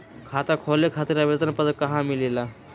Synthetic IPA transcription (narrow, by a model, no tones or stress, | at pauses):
kʰat̪əkʰolekʰat̪iɾabet̪ənpət̪əkəɦãmilela